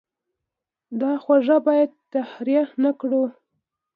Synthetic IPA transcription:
d̪ɑxwaʐabɑjad̪̚t̪ahɾijanakɽu

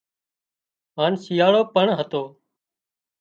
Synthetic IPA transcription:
ɦaːnsijaːɭoːpəɳɦət̪oː

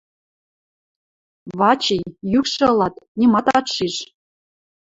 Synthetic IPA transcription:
βɑt͡ɕijjykʃɤ̆ɤ̆lˠɑt̪nʲimɑt̪ɑt̪ʃiʃ

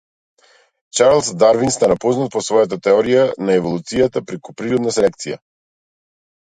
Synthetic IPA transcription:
t͡ʃaɾlˠsd̪aɾvinst̪anapɔznat̪̚pɔsvɔjat̪̬at̪ɛɔɾijanaɛvɔlˠut̪sijat̪apɾɛkupɾiɾɔd̪nasɛlɛk̚t̪sija̰

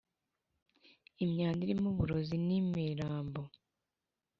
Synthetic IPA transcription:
imɲaːndiɾimuβuɾo̞zinimiɾaːmbo

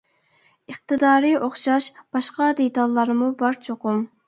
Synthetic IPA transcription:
əχ̚t̪ʰɨd̪ɑːɾioχʃɑʃb̥ɑʃqɑd̪et̪ɑlˠːɑɾmubɑɾt͡ʃʰoqʊm

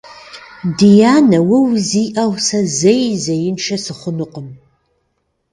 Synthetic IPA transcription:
dijaːnɐwɐwziːʔɐwsɐzejzɐjɪnʃʰɐsɨχʷʊnɨqəm

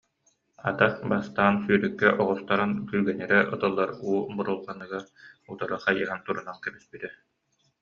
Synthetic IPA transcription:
a̰d̪abast̪aːnsyːɾɛkːɛʔɔʁɔst̪aɾankyjɡɛnɛɾɛʔɯt̪ɯlˠːaɾuːbuɾulˠqanɯɡaut̪aɾɯχajɯɦant̪uɾunankɛbispit̪ɛ

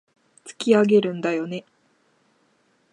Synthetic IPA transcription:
t͡sɨ̥kʲiaɡe̞ɾɯ̟̃nd̪ajo̞ne̞

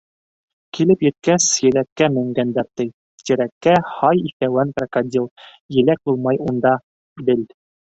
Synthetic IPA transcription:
kilɘpjɘ̆t̪̚kæsjɘ̆lækːæmɘ̆ŋɡænd̪æɾt̪ɘj | t̪ɘ̆ɾækːæhɑjiθæwænprɑkad̪ʲilˠ | jɘ̆læk̚bulˠmɑjund̪ɑ | bɘ̆l

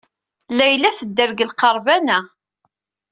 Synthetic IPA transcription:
læjlæθəd̪ːəɾɡəlqɑɾˤbænæ

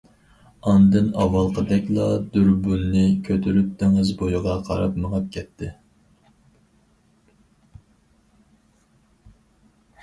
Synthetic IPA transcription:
ɑnd̪ɨnɑwɑlˠqʰəd̪ɛkʲlˠɑd̪yɾbunːɪkʲʰøt̪ʰyɾyp̚t̪ʰeŋɪzbojuʁɑqʰɑ̰ɾɑpməʁɑp̚kʲʰɛt̪ʰːɪ

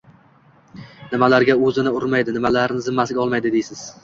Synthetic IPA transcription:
nɪmalaɾɡʲaɵzɪnɪʊɾmajd̪ɪnɪmalaɾnɪzɪmːasɪɡʲɒlˠmajd̪ɪd̪e̞jsɪz̥

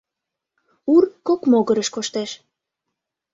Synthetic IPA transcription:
urkokmoɣəɾəʃkoʃt̪eʃ

